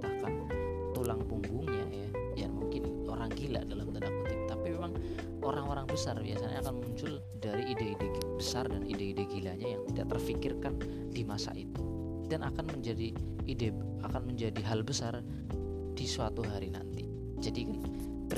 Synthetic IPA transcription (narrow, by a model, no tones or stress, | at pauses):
t̪akan | t̪ulaŋpuŋbuŋɲaja | jamuŋkɪn | oɾaŋɡila̰dalamt̪ənakit̪ut̪apimemaŋ | oɾaŋoɾaŋbəsarbia̰saɲakanmuɲt͡ʃʊl | daɾiideideɡbəsardanḭdeideɡilaɲajaŋt̪ida̰ʔ̚t̪ərfikɪrkan | dimasa̰ʔit̪u | danʔakanməɲd͡ʒadiːdɛ | akanməɲd͡ʒadiɦalbəsar | d̥isuat̪uɦaɾina̰nt̪i | d͡ʒadikan | ə